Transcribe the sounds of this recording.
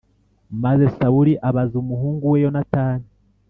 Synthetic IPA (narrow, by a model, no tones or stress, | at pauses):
maze̞sauɾiʔaβazumuɦuːŋɡuwejo̞nataːni